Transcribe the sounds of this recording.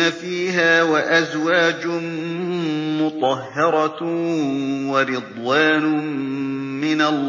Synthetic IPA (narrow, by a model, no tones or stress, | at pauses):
afiːɦaːwaʔazwaːd͡ʒʊ | mʊt̪ˤɑɦːɑɾˤɑ | wɑɾɨd̪ˤwaːnʊ | mɪnalː